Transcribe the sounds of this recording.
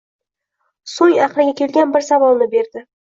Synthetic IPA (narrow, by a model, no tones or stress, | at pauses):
sojaqlɪɡʲakʲe̞lɡʲanbɪɾsavɒlˠnɪbe̞ɾd̪ɪ